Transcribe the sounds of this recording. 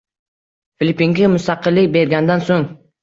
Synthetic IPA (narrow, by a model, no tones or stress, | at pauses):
filipːiŋɡʲamʊst̪ɑqɨlːɪkʲbe̞ɾɡʲand̪ansoŋ